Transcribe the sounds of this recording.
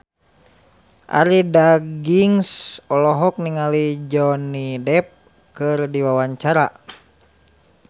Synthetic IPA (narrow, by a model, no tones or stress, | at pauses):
ʔa̰ɾidaɡiŋsɔlɔɦɔk̚niŋalid͡ʒɔnidɛp̚ | kɨrdiwawaɲt͡ʃaɾa